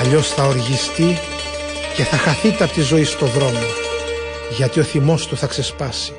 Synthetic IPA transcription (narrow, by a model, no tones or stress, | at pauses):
ɐʎo̞sθɐoɾʝist̪i | ce̞θɐxɐθit̪eɐpot̪izo̞ist̪o̞ðɾo̞mo | ʝɐt̪io̞θimo̞st̪uθɐkse̞spɐsi̥